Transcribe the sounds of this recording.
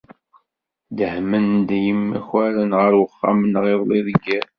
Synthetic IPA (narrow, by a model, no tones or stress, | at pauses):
d̪əhmənd̪jəmːæ̰çæɾənʁəɾwəχːa̰mənʁeðˤliðəɡːæ